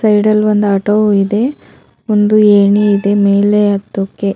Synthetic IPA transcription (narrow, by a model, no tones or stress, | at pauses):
sɐjɖɐlʋɐnd̪uɐʈoid̪e̞ | ond̪ueːɳiːd̪e̞meːleɐt̪ːokːe